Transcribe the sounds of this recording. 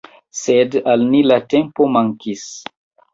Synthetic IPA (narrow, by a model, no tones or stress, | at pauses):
sedalnilatempomaŋkis